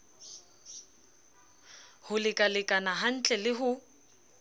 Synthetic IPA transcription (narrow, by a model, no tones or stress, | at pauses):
hʊlɪkʼalɪkʼanaɦan̩t͡ɬʼɛlɪɦʊ